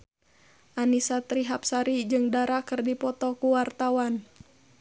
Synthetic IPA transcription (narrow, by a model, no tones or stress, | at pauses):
ʔanisat̪ɾiɦapsaɾid͡ʒɨŋdaɾakɨrdipɔt̪ɔkuwart̪awan